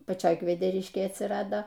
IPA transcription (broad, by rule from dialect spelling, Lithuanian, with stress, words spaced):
pɐˈt͡ʃʲoːj kʋʲɛdʲɛˈrʲɪʃʲkʲeːj ɐtʲsʲɪˈrɑːdoː